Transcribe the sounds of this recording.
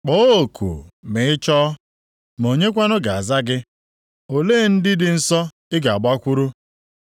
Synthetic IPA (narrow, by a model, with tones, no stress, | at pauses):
k͡po˦o˨kʰṵ˨mɪ˨˦ɪ˦t͡ʃɔ˦ | m˨o˨ɲe˦kʷa˦nʊ˦ɡa˨a˨za˦ɡɪ˦ | o˨leː˦˨n̩˦dɪ˦dɪ˨n̩˦sɔ˦ | ɪ˦ɡa˨a˨ɡ͡ba˦kʷu˦ɾu˦